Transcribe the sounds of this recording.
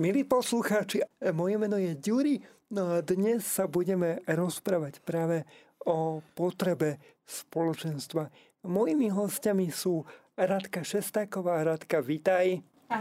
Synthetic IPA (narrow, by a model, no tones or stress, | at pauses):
miliːpɔsluxaːt͡ʃimɔjɛmɛnɔjɛɟuɾi | nɔad̪ɲɛsːabuɟɛmɛɾɔspɾaːʋacpɾaːʋɛ | ɔpɔt̪ɾɛbɛ | spɔlɔt͡ʃɛnst̪ʋa | mɔjimiɦɔscamisuː | ɾat̪kaʃɛst̪aːkɔʋaːɾat̪kaʋit̪aj